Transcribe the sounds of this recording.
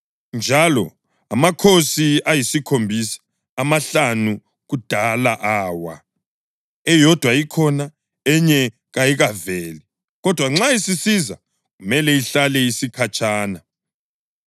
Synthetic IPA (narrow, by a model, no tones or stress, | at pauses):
nd͡ʒʱalɔ | amakʰosiajisikʰombʱisḁ | amaɬanu | ɣud̥ʱalaʔaːwa | ɛjɔd̥ʱwajikʰɔna | ɛɲɛ | ɣajiɣavɛːli | ɣɔd̥ʱwaŋ͡ǁaisisiza̰ | ɣumɛlɛiɬalɛisikʰat͡ʃʰʼaːna